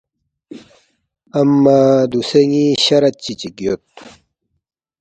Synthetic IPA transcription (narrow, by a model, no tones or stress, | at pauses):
ɐmːad̪useŋiɕɐɾɐt̪̚t͡ɕit͡ɕiɡjot̪̚